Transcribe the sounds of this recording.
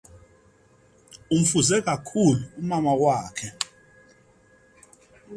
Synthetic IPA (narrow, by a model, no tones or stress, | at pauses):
um̩fuzɛk̬akʰuluumamawaːkʰɛ